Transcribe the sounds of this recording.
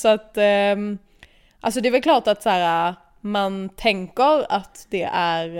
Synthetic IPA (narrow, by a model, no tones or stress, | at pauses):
sɔat̪ː | ʔalsɔd̪ɛæɾvɛlkʰlɑːʈat̪sæːɾa | mant̪ʰɛŋkəɾat̪d̪ɛʔæɾ